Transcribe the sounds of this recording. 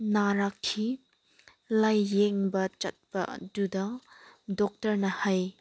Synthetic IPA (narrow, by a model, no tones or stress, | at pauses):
naɾakʰːi | lɐjːɛŋbɐt͡ʃɐt̚pɐ̰dudɐdɔk̚tɐɾnɐhɐj